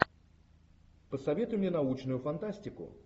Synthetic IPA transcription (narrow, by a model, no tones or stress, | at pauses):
pəsɐvʲe̞t̪ʊjʊmnʲenɐut͡ɕnʊjʊfɐnt̪asʲtʲɪkʊ̰